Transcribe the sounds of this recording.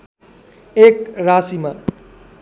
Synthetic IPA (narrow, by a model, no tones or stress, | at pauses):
ekɾasima